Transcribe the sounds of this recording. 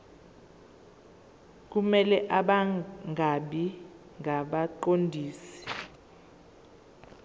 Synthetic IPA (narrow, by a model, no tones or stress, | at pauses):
k̬umɛlɛʔaɓaŋʱaɓi | ŋʱaɓaǃondʱiːsi̥